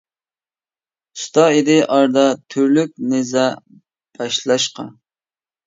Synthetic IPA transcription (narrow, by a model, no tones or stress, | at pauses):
st̪ɑid̪ɪʔɑɾd̪ɑt̪ʰyɾlyk̚ʲnezɑ | b̥ɑʃlˠɑʃqɑ̰